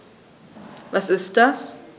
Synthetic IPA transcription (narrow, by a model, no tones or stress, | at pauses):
vasɪst̚d̥as